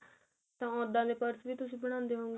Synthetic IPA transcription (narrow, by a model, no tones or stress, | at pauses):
t̪ãːɔ̃ːd̪ãːd̪eːpəɾsʋiːt̪ʊsĩːbəɽ̃ãːnd̪eːɦoːŋɡ